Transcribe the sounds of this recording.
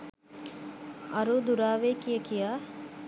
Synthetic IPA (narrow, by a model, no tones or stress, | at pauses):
ɐɾud̪uɾaːʋeːkijɐkijaː